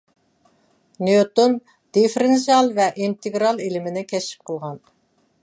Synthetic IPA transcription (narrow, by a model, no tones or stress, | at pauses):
nejot̪on | d̪̥efɾɪnsɑlˠvɛʔint̪eɡɾɑlˠelɪmɪnɪkʲʰɛʃi̥p̚qʰəlˠʁɑn